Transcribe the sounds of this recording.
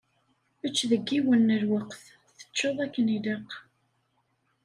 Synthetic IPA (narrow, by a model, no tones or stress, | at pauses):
ət͡ʃːðəɡːiwənːəlwəqθ | θə̥t͡ʃːoðˤækːənid̪ɑq